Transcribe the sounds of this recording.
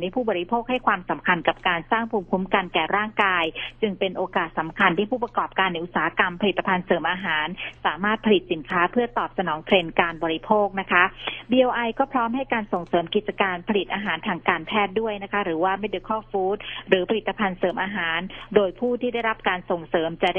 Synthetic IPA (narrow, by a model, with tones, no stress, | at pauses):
na˧˥˩pʰuː˥˩bɔː˨˩ɾi˦˥pʰoː˥˩k̚ha˥˩jkʰwaː˧msa˩˦mkʰa˧nka˨˩p̚kaː˧nsaː˥˩ŋpʰuː˧mkʰu˦˥mka˧nkɛː˨˩ɾaː˥˩ŋkaː˧jt͡ɕɯ˧ŋpe˧nʔoː˧kaː˨˩t̪̚sa˩˦mkʰa˧nt̪ʰiː˥˩pʰuː˥˩pɾa˧kɔː˨˩p̚kaː˧nːa˧jʔu˨˩saː˩˦ha˦ka˧mpʰa˧li˨˩t̪ːa˧pʰa˧nsɤː˩˦mʔaː˧ɦaː˩˦nsaː˩˦maː˥˩t̪̚pʰa˧li˨˩t̪̚si˩˦nkʰaː˦˥pʰɯ˥˩ɐt̪ɔː˨˩p̚sa˧nɔː˩˦ŋt̪ʰɾe˧nkaː˧nbɔː˧ɾi˦˥pʰoː˥˩k̚na˦˥kʰa˦˥biː˧ʔoː˧ʔa˧jkɔː˥˩pʰɾɔː˦˥mɦa˥˩jkaː˧nso˨˩ŋsɤː˩˦mki˨˩t̪̚t͡ɕa˧kaː˧npʰa˧li˨˩t̪̚ʔaː˧ɦaː˩˦nt̪ʰaː˧ŋkaː˧npʰɛː˥˩t̪̚du˥˩əjna˦˥kʰa˦˥ɾɯː˩˦waː˥˩ma˥˩jdɯː˧˩kʰɔː˥˩fuː˦˥t̪̚ɾɯː˩˦pʰa˧li˨˩t̪ːa˧pʰa˧nsɤː˩˦mʔaː˧ɦaː˩˦ndoː˧jpʰuː˥˩t̪ʰiː˥˩da˥˩jɾa˦˥p̚kaː˧nso˨˩ŋsɤː˩˦mt͡ɕa˨˩a˥